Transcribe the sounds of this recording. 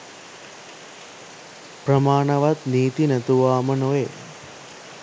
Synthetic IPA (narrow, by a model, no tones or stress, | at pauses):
pɾɐmaːɳɐʋat̪niːt̪inæt̪uʋaːmənoe